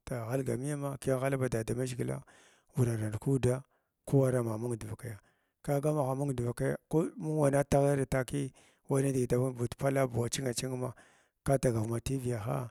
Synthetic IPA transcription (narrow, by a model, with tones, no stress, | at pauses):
ta˨ɣa˦lɡa˨mi˦a˦ma˦ki˦a˦ŋxa˦la˦ba˨da˨da˨ma˦ʒi˨ɡi˦la̰˦ | wu˨ɾa˨ɾa˨n˨ku˦da˦ | ku˦wa˦ɾa˦ma˨mu˦ŋ˨dva˨ka˨ja˨ | ka˦ɡa˦ma˨xa˨mu˦ŋ˨dva˨ka˦ja̰˨ko˦mu˦wa˨na˦ta˦ɣa˦ɾa˨ta˦ki˦ | wa˦na˦di˨i˨ta˨˦bu˨tpa˦la˦bu˨wa˨t͡ʃi˦ŋa˨t͡ʃi˦ŋ˦ma˨ | ka˦ta˨ɡa˨ma˨ti˦vi˨ja˨xa̰˦